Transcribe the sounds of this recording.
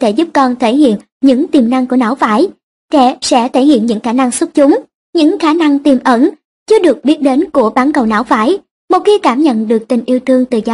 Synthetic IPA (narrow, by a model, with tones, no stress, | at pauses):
t̪ʰe˧˩zu˦˥p̚kɔ˧nt̪ʰe˧˩ɦḭ˧˨ən | ɲɨ̰˧˥ŋt̪i˨˩mna˧ŋku˧˩əna̰ː˧˦wvaː˧˦j | kɛ̰˧˥sɛ̰˧˥t̪ʰe˧˩hḭ˧˨ənɲɨ̰˧˥ŋxaː˧˩na˧ŋsu˦˥t̚t͡ɕʊ˨˦ŋ͡m | ɲɨ̰˧˥ŋxaː˧˩˦na˧ŋt̪i˨˩mʔə˧˦n | t͡ɕɨ˧ɗɨ˨˩ək̚ɓi˦˥ət̚ɗe˨˦nku˧˩əɓaː˨˦nkə˨˩wna̰ː˧˦wvaː˧˦j | mo˨˩t̚xi˧əkaː˧˩mɲə̰˧˨nɗɨ˨˩ək̚t̪ï˨˩ŋ̟ʔi˧əwt̪ʰɨ˧əŋt̪ɨ˨˩zɔ˧